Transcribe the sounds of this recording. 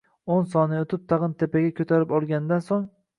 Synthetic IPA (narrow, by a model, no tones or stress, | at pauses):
ons̬ɒnɪot̪ʰɪp̚t̪ʰɑʁɨnt̪ʰepaɡʲakʲʰɵt̪ʰaɾɪpɒlˠɡʲanɪd̪ansoŋ